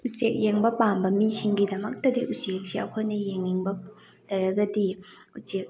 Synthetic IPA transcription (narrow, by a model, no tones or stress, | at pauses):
usek̚jeŋbɐpambɐmisiŋɡidɐmɐk̚tɐdiʔusek̚siɐ̰kʰojnɐjeŋːiŋbɐ | tɐɾɐɡɐdi | usek̚